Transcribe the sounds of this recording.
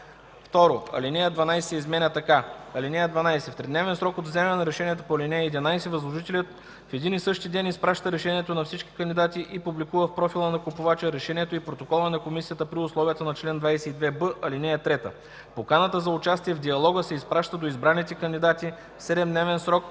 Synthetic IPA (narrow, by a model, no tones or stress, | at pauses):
ft̪ɔɾoɐ̰linɛjəd̪vɐnajsɛizmɛnʲɐt̪ɐkaɐlinɛjəd̪vɐnajsɛft̪ɾɛd̪nɛvɛnsɾɔkod̪vzɛmɛnɐɾɛʃɛniɛt̪opoɐlʲinɛjəɛd̪inajsɛvɐzlˠoʒit̪ɛlʲət̪ | fɛd̪inisɤʃt̪id̪ɛnispɾaʃt̪əɾɛʃɛniɛt̪onɐfsit͡ʃki̥kɐnd̪id̪at̪iʔipublikuvəfpɾɔfilˠənɐkopʊvat͡ʃəɾɛʃɛniɛt̪oipɾot̪okɔlˠənɐkomisijət̪əpɾiʊslˠɔvijət̪ənɐt͡ʃlɛnd̪vajsɛid̪vɛbəʔɐlinɛjət̪ɾɛt̪ə̰ | pokanət̪əzɐʊt͡ʃast̪iɛvd̪iɐlˠɔɡəsɛispɾaʃt̪əd̪oizbɾanːit̪ɛkɐnd̪id̪at̪i | fsɛd̪ɛmd̪nɛvɛnsɾɔk